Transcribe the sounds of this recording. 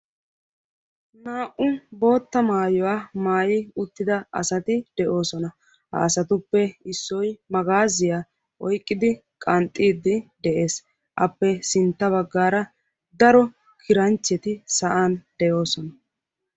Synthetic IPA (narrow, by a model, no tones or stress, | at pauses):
naːʔʊbo̞ːt̪ːɐmaːjɔwaːmaːjɪʊt̪ːɪd̪ɐɐ̰sɐt̪ɪd̪̥ɛʔo̞ːsɔnɐ | hɐ̰ːsɐt̪ʊpːɛɪsːɔjmɐɡaːzɪja | ʔɔjkʼːɪd̪ɪ | kʼɐnt̪ʼːiːd̪ːɪd̪ɛʔe̞ːs | ʔɐpːɛsɪnt̪ːɐβɐɡːaːɾɐ | d̪ɐɾɔ | kʰɪɾɐnt͡ʃːɛt̪ɪsɐʔaːnd̪̥ɛjo̞ːsɔnɐ